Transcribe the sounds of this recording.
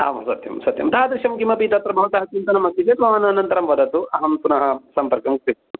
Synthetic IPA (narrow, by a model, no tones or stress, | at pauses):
a̰ːʋɐ̰sɐt̪jɐ̰msɐt̪jɐ̰mt̪ɐad̪ɾiʃɐmkimɐpiːt̪ɐt̪ɾɐbʱɐʋɐt̪ɐɦɐt͡ʃint̪ɐnɐmɐt̪ːit͡ʃet̪ʋɐmaːnɐnɐnt̪ɐɾɐmʋɐd̪ɐt̪uʔɐɦɐmpunɐɦɐsɐmpɐɾkɐmkɾi